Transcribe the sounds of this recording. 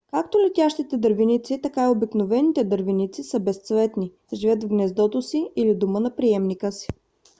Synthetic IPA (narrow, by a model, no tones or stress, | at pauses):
kakt̪olɛt̪ʲaʃt̪it̪ɛd̪əɾvinit̪sit̪ɐkaiobiknovɛnit̪ɛd̪əɾvinit̪sisəbɛst̪svɛt̪ni | ʒivət̪vɡnɛzd̪ɔt̪osiilid̪umənɐpɾiɛmnikəsi̥